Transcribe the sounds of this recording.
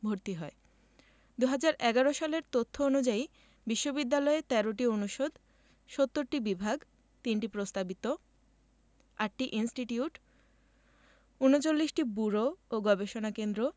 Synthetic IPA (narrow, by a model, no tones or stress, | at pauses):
bʱoɾt̪iɦɔe | d̪uɦad͡ʑaɾɛɡaɾoʃaleɾt̪ot̪ʰːoonud͡ʑai | biʃːobid̪ːalɔet̪ɛɾoʈionuʃod̪ʱ | ʃot̪ːoɾʈibibʱaɡ | t̪inʈipɾost̪abit̪o | aʈʈiʔinsʈiʈiuʈ | unot͡ɕolːiʃʈibuɾooɡɔbeʃonakend̪ɾo